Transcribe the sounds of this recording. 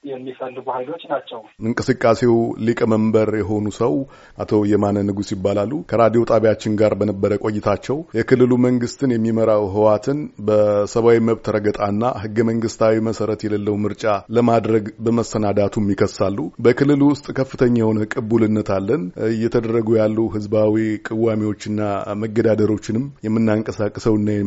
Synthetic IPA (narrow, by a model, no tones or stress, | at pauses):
jɛmːifənd̪ɡuhajlo̞t͡ʃːnat͡ʃːɛwɨŋkʼɨsɨkʼːase̞wlikʼəməmbəɾjɛɦo̞nusəw | ʔat̪ʰojɛmanːənɨɡusjɪbːalalːukʰəɾad̪ijo̞t̪ʼaβjat͡ʃːɪnɡaɾbənəbːəɾəkʼo̞jːɪt̪ʰat͡ʃːɛwjɛkɨlːɨluməŋɡɨst̪ʰɨnjɛmːiməɾawɦɨwat̪ʰɨnbəsəβawiməβt̪ʰəɾəɡət̪ʼanːa̰hɨɡːəməŋɡɨst̪ʰawiməsəɾət̪jɛləlːəwmɨɾt͡ʃʼaləmad̪ɾəɡbəməsənad̪at̪ʰumjɪkʰəsːalːubəkʰɨlːɨlwʊst̪ʼkʰəfːɨt̪ʰəɲːawnəkʼɨbulɨnːət̪ʰalːənjɛt̪ʰəd̪ərːəɡujalːuɦɨzbawikʼɨwamiwo̞t͡ʃːɪnːaməɡːəd̪ad̪əɾo̞t͡ʃːɪnɨmjɛmːɨnːaŋkʼəsakʼːɨsəwɨnːajɛ